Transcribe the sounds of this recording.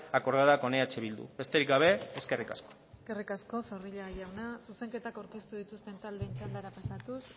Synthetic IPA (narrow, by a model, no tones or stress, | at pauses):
ako̞ɾðaðako̞neat͡ʃeβild̪ṵβe̞st̪e̞ɾik̚ɡaβe̞eske̞rikasko̥ | eske̞rikasko̞foriʎaɣajawnasuse̞ŋke̞t̪akawɾke̞st̪uðit̪ust̪e̞nt̪ald̪e̞ːnt͡ʃand̪aɾapasat̪us